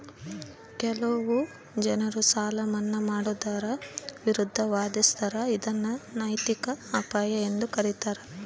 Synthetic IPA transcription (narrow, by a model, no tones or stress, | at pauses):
kɛlɐʋu | d͡ʒɐnɐɾusaːlɐmɐnːɐmaːɽud̪ɐɾɐʋiɾud̪ʱːɐʋaːd̪ist̪ʰɐɾɐid̪ɐnːɐnɐjt̪ikɐaːpaːjɐend̪ukɐɾit̪aɾɐ